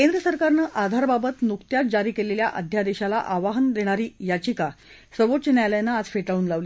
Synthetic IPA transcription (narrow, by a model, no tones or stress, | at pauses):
kend̪ɾəsəɾkaɾnəːʔad̪ʱaɾbabət̪nukt̪jat̪̚d͡ʑaɾiːkeleljaʔəd̪ʱjad̪eɕala̰ʔaʋaɦənd̪eɽ̃aɾiːjat͡ɕika | səɾʋot̪t͡ɕənjajljanːaːd͡zfeʈauːnlaʋliː